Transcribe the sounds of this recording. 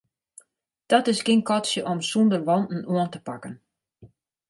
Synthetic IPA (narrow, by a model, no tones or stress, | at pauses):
d̥ɔtɪsɡɪnkɔtsjəʔɔmsundərʋɔndn̩uəntə̥pakən